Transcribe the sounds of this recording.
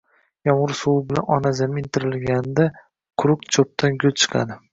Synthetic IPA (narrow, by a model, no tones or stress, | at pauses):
jɒmʁʊɾsowɪbɪlanɒnazamɪɪnt̪ʰɪɾɪlɡʲand̪a | qʰʊɾʊkt͡ʃʰop̚t̪ʰanɡʲʊlt͡ʃʰɨ̥qʰɑ̰d̪ɪ